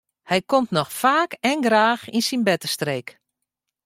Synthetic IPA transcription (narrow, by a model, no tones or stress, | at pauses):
hɛjkomtnɔxfaːkɛnɡraːxinsinbɛtəstreːk